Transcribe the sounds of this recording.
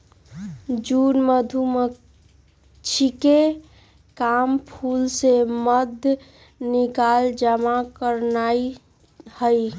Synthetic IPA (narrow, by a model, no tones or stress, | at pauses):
d͡ʒunməd̪ʱumə | t͡ʃʰike | kampʰulseməd̪ʱ | nikald͡ʒəmakəɾnai | həj